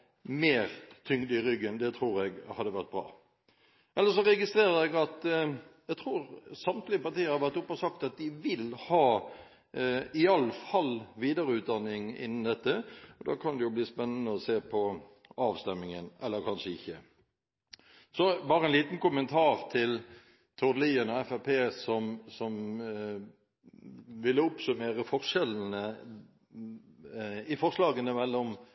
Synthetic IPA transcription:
meːɾt̪ʰʏŋd̪əɪɾʏɡːənd̪ɛt̪ʰɾuːɾɛɡhɑd̪ːəʋæʁt̪̚bɾɑ̰ː | ʔɛlːəɾʂ̬ɔʁɛɡɪst̪ʁeːɾəɾɛɡɑt̪jɛɡt̪ʰʁuːɾsɑmt̪lɪəpɑɾt̪iːəɾhɑɾʋæʁt̪ʊpːɔsɑkt̪ɑt̪̚d̪ɪʋɪlhɑː | ɪɑlfɑlʋiːd̪əɾəʉːt̪̚d̪ɑnːɪŋɪ̰nːn̩d̪ɛt̪ːəɔd̪ɑːkʰɑnd̪ɛjʊbliːspɛnːənəɔseːpʰɔ | ɑːʋst̪ɛmːɪŋənʔɛlːəɾkʰɑnʂəɪçːə | sɔbɑːɾəɛnliːt̪n̩kʊmənt̪ʰɑːʁt̪ʰɪl | t̪ʰʊd̪liːənɔɛfæpʰeːsɔmsɔm | ʋɪlːəʊpsʉmeːɾəfɔʁʂɛln̩ə | ɪfɔʁʂlɑːɡənəmɛlːɔm

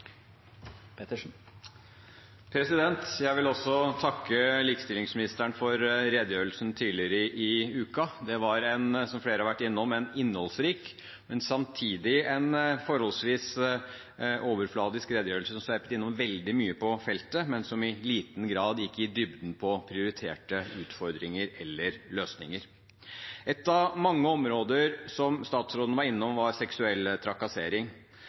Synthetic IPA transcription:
p̪ | pʰɾɛsɪd̪ɛnt̪jæɪʋɪlɔsːɔt̪ʰɑkːəliːkst̪ɪlɪŋsmɪnɪst̪æɳfɔɾɾɛd̪jøːɾəlsn̩t̪ʰiːlɪəɾəʔɪʉːkɑd̪ɛʋɑɾɛnsɔmfleːɾəhɑɾʋæʈːɪnːɔmɛnɪnːhɔlsɾiːk | mɛnsɑmt̪ʰiːd̪ɪɛnfɔɾhɔlsʋiːs | ʔoːʋəɾflɑːd̪ɪskɾeːd̪əjøːɾlsəsɔmsʋæɾpət̪ɪnːɔmʋɛld̪ɪmyːəpʰɔfɛlt̪əmɛnsɔmɪliːt̪nɡɾɑːd̪jɪkːəɪd̪ʏbd̪n̩pʰɔpʰɾɪʊɾɪt̪ʰḛːʈəʉːt̪fɔɾd̪ɾɪŋəɾɛlːəɾløːsnɪ̰ŋəɾ | ɛt̪ːɑʋmɑŋːəɔmɾoːd̪əɾsɔmst̪ɑːt̪sɾoːd̪nəʋɑɾɪnːɔmʋɑɾsɛksʉɛlːt̪ʰɾɑkɑseːɾɪŋ

